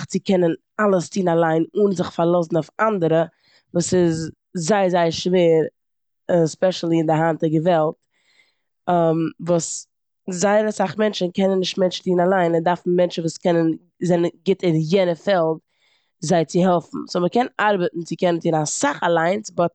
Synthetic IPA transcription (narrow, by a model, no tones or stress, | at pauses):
t͡sɪkʰɛnən | alˠəstʰiːnalˠaɪnʊnzɪχfaɾlˠɔsn̩aʊfandəɾə | vuːsɪz | zaɪəzaɪəɾʃveːɾ | spɛʃlˠiɪndɪɦantəɡəvɛlˠt | mvuːs | zaɪɾəsaχmɛnt͡ʃn̩kɛnənːɪʃtmɛnt͡ʃtiːnalˠaɪndaɾfn̩mɛnt͡ʃn̩vuːskɛnən | zɛnənɡɪtəɾjɛnəfɛlˠt | zaɪt͡sɪɦɛlˠfn̩sɔməkɛnaɾbətn̩t͡sɪkɛnən̩tʰiːnasaχalˠaɪnt͡sɪbɔt